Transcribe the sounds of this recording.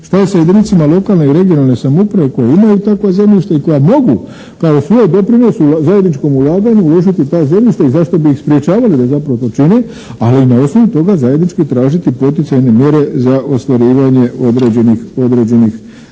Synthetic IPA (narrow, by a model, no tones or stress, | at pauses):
ʃt̪ajesajed̪init̪simalˠo̞kalˠne̞iɾe̞ɡijo̞nalˠne̞samopɾaʋe̞ko̞jeimajut̪akʋazemʎʲiʃt̪aiko̞jamo̞ɡu | kaosʋo̞ːjd̪o̞pɾino̞suzaje̞d̪nit͡ʃko̞mulaːɡaɲuulo̞ʒit̪it̪ajze̞mʲʎʲiʃt̪aizaʃt̪o̞biixspɾje̞t͡ʃaːʋalid̪azapɾaʋo̞t̪o̞t͡ʃine | aliːnao̞sno̞ʋut̪o̞ɡazaje̞d̪nit͡ʃkit̪ɾaːʒit̪ipo̞t̪it̪sajne̞mje̞ɾe̞zaʔo̞st̪ʋaɾiːʋaɲe̞od̪ɾed͡ʑenixo̞d̪ɾe̞d͡ʑe̞nix